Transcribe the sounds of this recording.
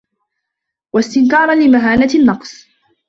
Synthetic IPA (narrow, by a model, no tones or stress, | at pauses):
wast̪ɪnkɑːɾˤɑnlɪmaɦaːnanːɑqsˤ